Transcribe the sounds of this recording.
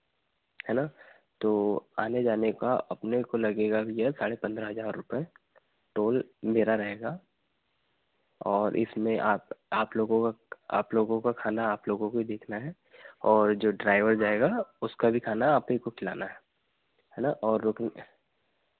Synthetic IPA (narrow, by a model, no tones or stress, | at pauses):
ɦɛːnaː | t̪oːa̰ːned͡ʒaːnekaʔɐpnekolɐɡeːɡabʱijɛsaːɽepɐ̃nd̪ɾaɦɐzaːɾːʊpɛe | ʈoːlbʱeːɾaɾɐɦeːɡa | ɔːɾʔɪ̰smẽʔaːpaːploːɡõkaa̰ːploːɡõkakʰaːnaːploːɡõkobʱid̪eːkʰnaɦɛ | ɔːɾd͡ʒoːɖɾaːɪʋəɾd͡ʒaːeɡaʊskabʱikʰaːnaɦaːpekokʰɪla̰ːnaɦɛː | ɦɛːnaʔɔːɾːoːkn